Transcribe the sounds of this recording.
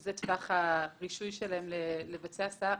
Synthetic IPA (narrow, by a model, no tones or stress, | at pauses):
zetvaχaʁiʃujʃelahemlelevat͡seasa